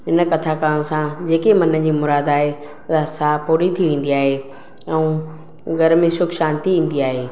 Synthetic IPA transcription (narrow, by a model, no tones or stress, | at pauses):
ɦɪnə̆kɐt̪ʰakaːñsãd͡ʑeːkemɐnəd͡ʑiːmʊɾaːd̪aːɦe | ɾasapuːɽit̪ʰiʋẽːn̆d̪iaːɦe | ɛ̃ũ | ɡʱɐɾmẽʃʊkʃaːnt̪iʋĩːn̆d̪iaːɦeː